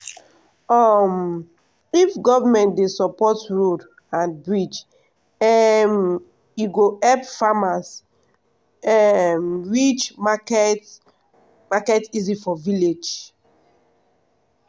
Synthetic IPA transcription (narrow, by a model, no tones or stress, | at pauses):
ɔm | ifɡɔvamɛ̃ntdesɔpɔtɹod | ãnbɹid͡ʒ | ɛm | iɡoɛpfamas | ɛmɹit͡ʃmakɛt | makɛtizifɔviled͡ʒ